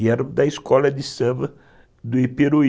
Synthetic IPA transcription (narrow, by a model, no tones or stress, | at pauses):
ɛɾd̪ɐiskɔlɐd̪ɪsɐ̃bɐ | d̪ʊepeɾo